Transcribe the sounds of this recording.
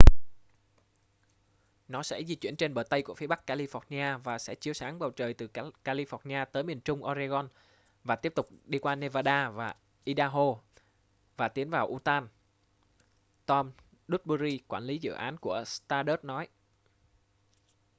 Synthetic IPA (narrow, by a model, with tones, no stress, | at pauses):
nɔ˨˦sɛ̰˧˥zi˧t͡ɕwi˧˩ənt͡ɕe˧nɓəː˧˩jt̪ə˧jku˧˩fi˨˦ɓa˦˥kːaː˧li˧fɔ˨˥t̚ni˧ʔaː˧vaː˨˩sɛ̰˧˥t͡ɕi˨˦əwsaː˨˦ŋɓa˨˩wt͡ɕəː˨˩jt̪ɨ˨˩kaː˧li˧fɔ˨˥tni˧aː˧t̪əː˨˦jmi˨˩ənt͡ɕʊ˧ŋ͡mʔɔ˧za˧ɣɔ˧n | vaː˨˩t̪i˦˥əp̚t̪ʊ˨˩k͡p̚ɗi˧kwaː˧ne˧vaː˧ɗaː˧vaː˨˩ | ʔi˧ɗaː˧ɦo˧ | vaː˨˩t̪i˨˦ənvaː˨˩wʔu˧t̪aː˧n | t̪ɔ˧m | ɗu˦˥t̚ɓu˧zi˧kwaː˧˩nli˨˦zɨ̰˧˨ʔaː˨˦nku˧˩əst̪aː˧ɗə˦˥t̚nɔ˨˦j